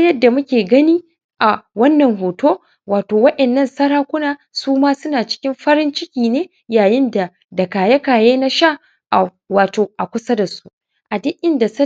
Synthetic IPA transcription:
jɐ˦dːa˨mʊ˦kʲeː˨ɡɐ˦niː˦ | ʔa˨wɐ˦nːɐ˨ŋɦoː˨toː˦ | waː˨toː˨wɐ˦ɗɛ˨nːɐ˦˨nsɐ˦ɾaː˦kʷʊ˦naː˨ | suː˦maː˦sʊ˦naː˨t͡ʃɪ̥˦kʲɪ˦mɸɐ˦ɾɪ˦nt͡ʃɪ˦kʲiː˨neː˦ | jaː˨jɪ˦nda˨ | dɐ˨kaː˨jɐ˦kaː˨jeː˦na˦ʃa˦˨ | ʔa˨ | waː˨toː˨ʔa˨kʷʊ˦sɐ˦da˨su̥˦ | ʔa˨dɪ˦ʔʲɪ˦nda˨sɐ˦

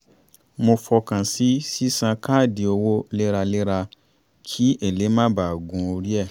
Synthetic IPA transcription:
mo˧fɔ˧kã˨si˦si˦sã˧kʰaː˦˨di˨o˧wo˦le˦ɾa˧le˦ɾa˧ | kʰi˦e˨le˨˦mã˦ba˨ɡũ˨˦o˧ɾi˦ɛ˦˨

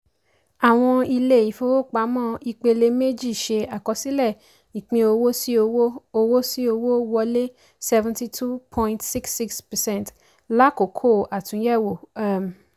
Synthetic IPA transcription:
a˨w̃ɔ̃˧i˧le˦˨i˨fo˧˦wo˦˨k͡pa˨˦mɔ̃˦i˧k͡pe˧le˧me˦d͡ʒi˦˨ʃe˧a˨kɔ˧si˦lɛ˦˨ | i˨k͡pĩ˧o˧wo˦si˦o˧wo˦o˧wo˦si˦o˧wo˦wɔ˧le˦ | sɛ˦vɛ̃˧nti˧tʰu˦pʰɔ̃˧ĩntsi˦ksːi˦kspɛ˨sɛ̃˦˨t | la˦ko˨kʰo˦˨a˨tũ˨˦jɛ˦˨wo˨a˦˨m˨

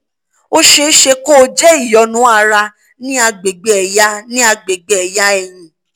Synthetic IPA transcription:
o˦ʃe˧˦ʃe˧ko˦˧d͡ʒɛ˦i˦˨jɔ˨˦nũ˦a˧ɾa˧ | nĩ˦a˧ɡ͡be˨ɡ͡bɛ˨ɛ˨ja˦nĩ˦a˧ɡ͡be˨ɡ͡bɛ˦ɛ˨ja˦ɛ˧j̃ĩ˨

